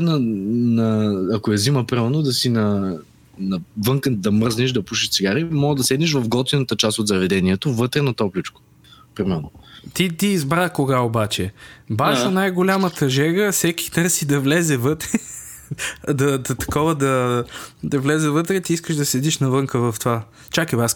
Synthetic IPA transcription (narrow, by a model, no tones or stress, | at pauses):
nɐnɐːkoɛziməpɾimɛɾnod̪ɐsinɐ | nɐvɤŋkəd̪ɐməɾzniʃd̪ɐpuʃiʃt̪siɡaɾimɔɡəd̪ɐsɛd̪niʃ̬vɐfɡlˠɔt̪inət̪ət͡ʃast̪ot̪zɐvɛd̪ɛniɛt̪ovət̪ɾɛnɐt̪ɔplʲit͡ʃko̥ | pɾimɛɾnot̪it̪iːzbɾakoɡaobat͡ʃɛbaʃɐnajɡolʲamət̪ʰɐʒɛɡəsɛk̟i̥t̪ɤɾsid̪ɐvlɛzɛvɤt̪ɾɛ | d̪ɐd̪ɐt̪ɐ̥kɔvəd̪ɐ | d̪ɐvlɛzɛvət̪ɾɛt̪iiskəʃd̪ɐsɛd̪iʃnɐvɤŋkəvɐft̪ova | t͡ʃakɛbas